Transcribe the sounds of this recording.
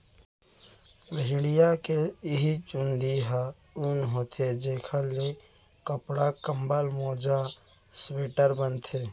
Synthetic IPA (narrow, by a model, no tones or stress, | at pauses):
ləɦɪ̃ɽijakeɦit͡ʃund̪iɦa | unɦoːt̪ʰed͡ʒeːkʰəlːe | kəpɽakəmbəlmoːd͡ʒa | sweːʈəɾbənt̪ʰe